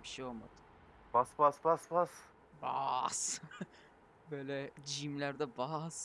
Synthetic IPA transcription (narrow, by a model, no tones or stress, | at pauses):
bi̥ʃejolˠma̰d̪ɯ̥ | basbasbasbas | ba̰s | bøːlʲɛd͡ʒimlʲæɾd̪ɛbas